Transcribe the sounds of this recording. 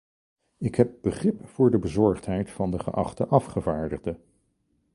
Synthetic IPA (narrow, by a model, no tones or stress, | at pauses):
ɪkɦɛp̚bəχrɪpfʊːɹdəbəzɔɹχtɦɛjtfɑndəχə̰ʔɑ̰χtəʔɑfχəvaːɹdəχdə